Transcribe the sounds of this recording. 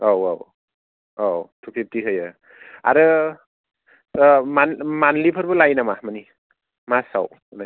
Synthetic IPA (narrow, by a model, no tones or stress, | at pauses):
awa̰w | awtʰukʰip̚tiɦɯjɯ | a̰ɾɯ | manmanlipʰɯɾbɯlajnamamani | masa̰w | unaj